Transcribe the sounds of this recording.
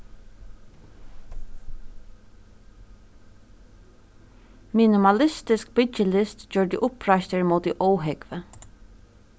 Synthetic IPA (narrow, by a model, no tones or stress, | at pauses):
minɪmɑlɪst̪ɪsk̚bɪt͡ʃəlɪst̪d͡ʒœːɹdɪʔʊpʰɹaʃt̪əɹmoːt̪ɪʔɔwɦɛkʋə